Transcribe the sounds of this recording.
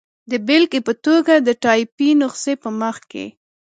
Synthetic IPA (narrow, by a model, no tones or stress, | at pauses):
d̪əbɪlkepət̪oɡad̪əʈɑjpinʊqsepəməxkḛ